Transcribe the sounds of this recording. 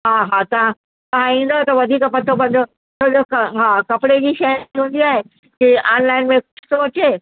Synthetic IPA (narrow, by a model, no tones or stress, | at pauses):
ɦaɦat̪ɐʋ̤ã | t̪ɐʋ̤ãĩːn̆d̪ot̪ɐʋɐd̪ʱiːkpɐt̪ʰːobʱɐ̃nd̪o | t̪õd͡ʑokɐɦakɐpɪɽed͡ʑiːʃɐjɦũːn̆d̪iaːɦe | kiʔaːnlaːɪnmẽkʊsoɐt͡ɕeː